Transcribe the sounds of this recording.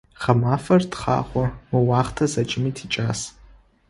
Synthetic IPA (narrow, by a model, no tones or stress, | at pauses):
χɐmaːfɐrtχɑ̰ːχʷɔmɨwaːχtʰɐzɐt͡ʃʼɪmitʰit͡ʃʼaːs